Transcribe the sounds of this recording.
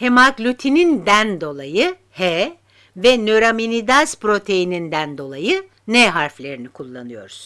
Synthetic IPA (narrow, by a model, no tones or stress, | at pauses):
hemaklʲyt̪ʰinind̪ænd̪o̞lˠajɯ | hɛ | vɛnøɾaminid̪aspɾo̞t̪ʰe̞jinind̪ænd̪o̞lˠajɯ | nɛɦaɾflʲe̞ɾinikʰulˠːanɯjo̞̰ɾuz̥